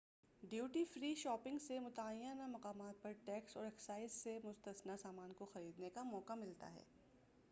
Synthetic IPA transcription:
ɖjuːʈifɾiːʃɔːpɪ̃ŋɡsemʊt̪aːjjanamɐqaːmaːt̪̚pɐɾʈɛːksɔːɾɛksaːɪssemʊst̪əsnasaːmaːnkoxɐɾiːd̪nekamɔːqamɪlt̪a̰ɦɛ̰ː

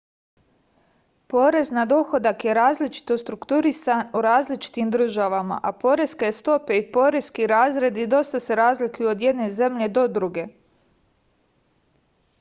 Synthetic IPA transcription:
po̞ːɾe̞znad̪o̞xo̞d̪akje̞ɾaːzlit͡ʃi̥t̪o̞st̪ɾukt̪uɾisanuɾaːzlit͡ʃi̥t̪imd̪r̩ʒaʋama̰ʔapo̞ɾe̞skest̪o̞pe̞ipo̞ɾe̞skiɾaːzɾe̞d̪id̪o̞st̪ase̞ɾaːzlikujuod̪je̞d̪ne̞ze̞mʎe̞d̪o̞d̪ɾuɡe̞

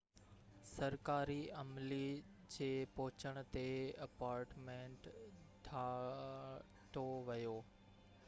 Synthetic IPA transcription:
sɐɾkaːɾiɐmli | d͡ʑeːpɔɦʊt͡ɕəɽ̃ʊ̆t̪eɐpaːɾʈmẽːɳʈ | ɖʱaː | ʈoʋɐjoː

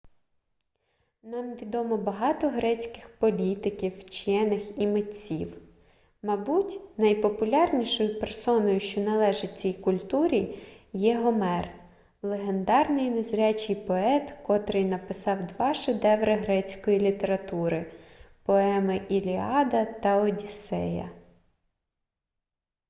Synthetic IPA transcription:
nɑmʋʲid̪ɔmɔbɐɦɑt̪ɔɦɾɛt͡sʲkɪxpɔlʲit̪ɪkʲiwt͡ʃjɛnɪximetʲt͡sʲḭw | mɐbutʲnɐjpɔpʊlʲɑrnʲiʃɔjʊpersɔnɔjʊʃt͡ʃɔnɐlˠɛʒɪt͡sʲijkʊlʲt̪uɾʲijɛɦɔmɛr | lˠeɦe̞nd̪ɑrnɪjnezɾʲat͡ʃɪjpɔɛt̪kɔt̪ɾɪjnɐpɪsɑwd̪ʋɑʃɪd̪ɛwɾɐɦɾɛt͡sʲkɔjilʲit̪e̞ɾɐt̪uɾɪpɔɛmɪʔilʲiɑd̪ɐt̪ɐɔdʲisɛ̰jɐ̰

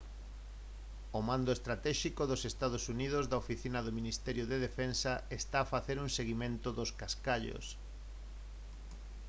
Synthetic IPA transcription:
omand̪oest̪ɾat̪ɛʃikoðosest̪að̞osuniðozðaofiθinaðominist̪ɛɾjoðeðefensɐest̪aːfaθeɾuŋseɣimẽnt̪ʊðoskaskaʎo̰s

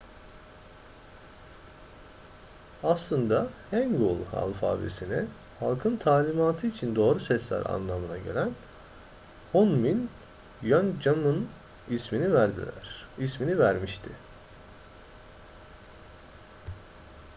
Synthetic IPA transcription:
aslˠɯnd̪ahæŋɡulˠha̰lˠfa̰ːbḛsinɛ | ha̰lˠkʰɯnt̪ʰaːlʲimaːt̪ʰɯit͡ʃʰind̪o̞ːɾusɛslʲæ̰ɾa̰nlˠamɯnaɟe̞̰lʲæn | honmin | jønd͡ʒamɯn | isminivæɾd̪ḭlʲæ̰ɾ̥isminivæɾmiʃt̪ʰɪ

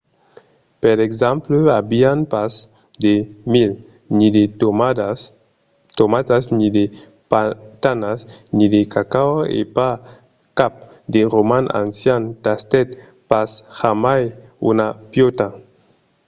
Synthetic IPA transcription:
peɾeɡzampləabianpas | d̪emil | nid̪e | t̪omat̪aznid̪e | at̪anasnid̪ekakawḛpa | kap̚ | d̪eɾomanʔa̰nsjant̪ast̪ɛt̪̚ | pashamajṵnapjot̪a

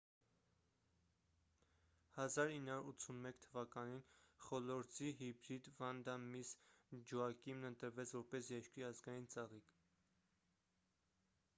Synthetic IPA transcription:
hɑzɑɾinːhɑuɾut͡sʰunmɛkʰt̪ʰːəvɑkɑninχɔlɔɾt͡siɦibɾid̪vɑnd̪ɑmisd͡ʒuɑkimnənt̪əɾvɛt͡sʰvɔɾpɛsjɛt͡ʃkɾiɑzɡɑjint͡sɑʁik

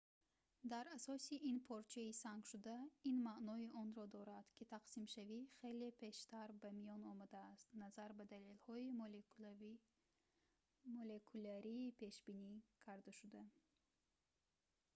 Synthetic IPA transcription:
d̪aɾasɔsiʔinpʰɔɾt͡ʃʰɛisaŋɡʃud̪ainmaʔnɔiʔɔnɾɔd̪ɔɾad̪̥kʰit̪ʰaqsimʃaviχe̞le̞pʰe̞ʃt̪ʰaɾbamijɔnɔmad̪aːst̪nazaɾbad̪alelhɔi | molekʰulaɾiːpʰe̞ʃbinikʰaɾd̪aʃud̪a

